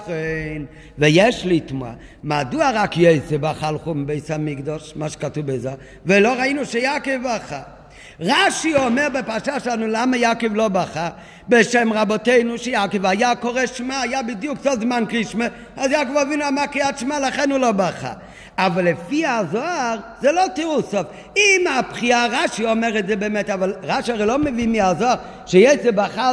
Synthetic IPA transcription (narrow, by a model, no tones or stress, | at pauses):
χen | vejɛʃlitmua̰ | maduaʁakjoɪsɛbaχalˠχum̩beɪsamiɡdɔʃmaʃe̥katubeza | veloʁainuʃejakevaχa | ʁaʃiɔmɛʁbepaʃaʃanulamajakɪvlˠobaχa | beʃɛmʁabɔteɪnuʃejakɪvajakɔʁɛʃmaajabidjuksodzmankʁiʃme | azjakovavinuamakiatʃmalaχɛnulobaχa̰ | avalːɛfiazoaʁzɛlotiʁusaf | imapχiaʁaʃiɔmɛʁɛtzɛbɛmɛtavalʁaʃiaʁɛlomevimiazoaʁ | ʃejezɛbaχa